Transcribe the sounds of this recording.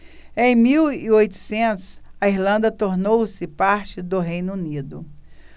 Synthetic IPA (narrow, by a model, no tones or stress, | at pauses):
ẽj̃miwiojt̪ʊ̥sẽnt̪ʊsɐiɾlɐ̃nd̪ɐt̪oɾnowsɪpaɾt͡ʃɪd̪ʊɦejnʊunid̪ʊ